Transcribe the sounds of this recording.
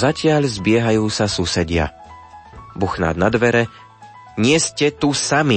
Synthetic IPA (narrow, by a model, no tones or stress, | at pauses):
zacɪaʎzbɪɛɦajuːsasuːsɛɟɪa̰ | buxna̰ːd̪nad̪ʋɛɾɛ | ɲɪɛscɛt̪usami